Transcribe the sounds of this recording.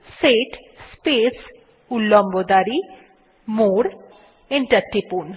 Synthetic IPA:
seʈ | spes | ulːombod̪aɾi | moɾ | eɳʈəɾʈipun

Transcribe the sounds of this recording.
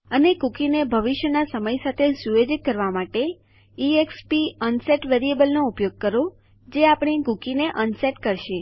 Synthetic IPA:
ənekukinebʱəʋiʃjənasəməjsat̪ʰesuʋed͡ʒit̪̚kəɾʋamaʈe | iekspiənseʈʋeɾiebəlnoupjoɡ̚kəɾo | d͡ʒeapɽ̃ikukineʔənseʈkəɾʃe

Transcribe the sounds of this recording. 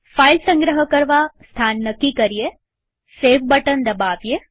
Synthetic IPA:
fajlsə̃ŋɡɾəɦəkəɾʋast̪ʰanːəkːikəɾije | seʋbəʈənd̪əbaʋje

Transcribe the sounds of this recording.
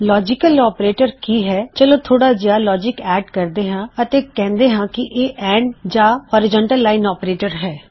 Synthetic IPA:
lɔːd͡ʒɪkəlɔːpɾeːʈəɾkiːɦɛːt͡ʃəlõːt̪ʰoːɽaːd͡ʒɪjaːlɔːd͡ʒɪkɛːɖkəɾd̪eːɦãːət̪eːkɛ̃ːnd̪eːɦãːkɪʔeːʔɛ̃ːɳɖd͡ʒaːhɔːɾɪd͡ʒə̃ːɳʈəlːaːɪnɔːpɾeːʈəɾɦɛː

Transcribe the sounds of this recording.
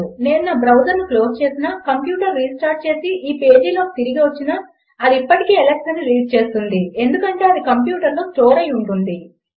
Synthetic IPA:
neːnunɐːbɾɐwd͡ʒɐɾnuklo̞ːst͡ʃe̞ːsinɐkɐmpjuːʈɐɾːiːsʈaːɾʈ̚t͡ʃe̞ːsiʔiːpe̞ːd͡ʒiːlo̞ːki̥t̪iɾiɡiʋɐt͡ʃːinɐ | ɐd̪iipːɐʈikiːelekʂɐnːiliːɖ̚t͡ʃe̞ːst̪und̪ie̞nd̪ukɐɳʈe̞ːɐd̪ikɐmpjuːʈɐɾlo̞ːst͡ʃoːɾɐjuɳʈund̪i

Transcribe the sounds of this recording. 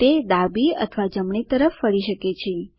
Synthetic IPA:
t̪ed̪abiə̰t̪ʰʋad͡ʒəmɳit̪əɾəfːəɭiʃəket͡ʃʰe

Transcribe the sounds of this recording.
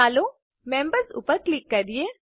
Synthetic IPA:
aːlo | mɛ̃ːmbəɾsʊ̰pːəɾklikːɐɾd̪ieː

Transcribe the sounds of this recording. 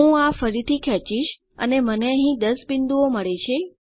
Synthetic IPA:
ũafəɾit̪ʰikʰɛt͡ʃiʃ | ə̰neməneə̃ɦĩd̪əsbind̪uoməɭet͡ʃʰe

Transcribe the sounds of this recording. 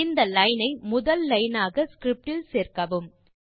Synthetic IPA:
ɪnd̪ɐlɐɪnɐɪmʊðɐlːɐjnaːɣɐskɾɪp̚ʈɪlseːrkɐʋɯm

